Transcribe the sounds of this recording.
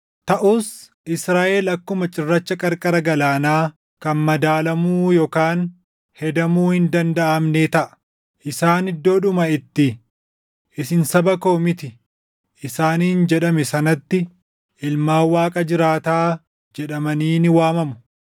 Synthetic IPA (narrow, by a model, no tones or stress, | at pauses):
t̪ɐʔuːs | ʔɪsɾaːʔɛlɐkːʊmɐt͡ʃʼɪrːɐt͡ʃːɐkʼɐɾkʼɐɾɐɡɐlaːnaː | kɐnmɐd̪aːlɐmuːjoːkaːn | hɛd̪ɐmuːhɪnd̪ɐnd̪ɐʔɐmneːt̪ɐʔɐ̥ | ʔɪsaːnɪd̪ːo̞ːᶑʊmɐɪt̪ːɪ | ʔɪsɪnsɐbɐko̞ːmɪt̪ɪ | ʔɪsaːnːɪnd͡ʒɛᶑɐmɛsɐnɐt̪ːɪ | ʔɪlmaːwaːkʼɐd͡ʒɪɾaːt̪aː | d͡ʒɛᶑɐmɐniːnɪwaːmɐmʊ̥